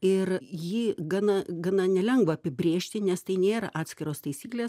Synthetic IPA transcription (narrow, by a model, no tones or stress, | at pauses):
ɪrjiːɡɐnɐɡɐnɐnʲɛlʲɛŋɡʋɐɐpʲɪbʲɾʲeːʃʲt̪ʲɪnʲɛst̪ɐɪnʲeːɾɐʔɑːt̪ʲsʲkʲɪɾoːst̪ɐɪsʲiːklʲeːs